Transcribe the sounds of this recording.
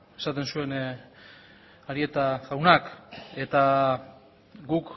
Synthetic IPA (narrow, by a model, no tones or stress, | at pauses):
e̞sat̪e̞nsue̞n | aɾie̞t̪aɣawnake̞t̪a | ɡuk